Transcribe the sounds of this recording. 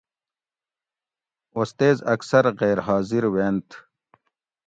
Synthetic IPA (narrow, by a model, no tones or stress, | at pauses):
ost̪eːzɐksɐɾɣeːɾɦaːziɾweːnt̪ʰ